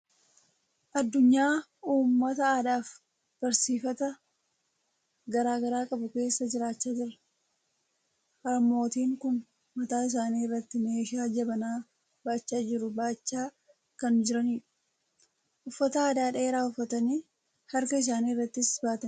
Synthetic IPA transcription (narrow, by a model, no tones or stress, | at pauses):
ʔɐd̪ːʊɲːaːuːmːɐt̪ɐaːd̪aːf | b̥ɐɾsiːfɐt̪ɐ | ɡɐɾaːɡɐɾaːkʼɐbʊke̞ːsːɐd͡ʒɪɾaːt͡ʃːaːd͡ʒɪɾɐ | hɐmːo̞ːt̪iːŋkʊnː | ɐt̪aːɪs̬aːniːɪrːɐt̪ːɪme̞ːʃaːd͡ʒɐbɐnaː | baːt͡ʃːaːd͡ʒɪɾʊbaːt͡ʃːaː | kɐnd͡ʒɪɾɐniːᶑ | ʔʊfːɐt̪ɐaːd̪aːᶑɐeːɾaːʊfːɐt̪ɐniː | hɐɾkɐɪs̬aːniːrːɐt̪ːɪsbaːt̪ɐn